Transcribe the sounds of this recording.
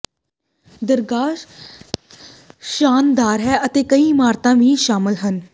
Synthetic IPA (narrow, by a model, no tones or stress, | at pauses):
d̪əɾɡaːʃ | ʃaːnd̪aːɾɦɛːət̪eːkəĩːmaːɾt̪ãːʋĩːʃaːmɪlɦən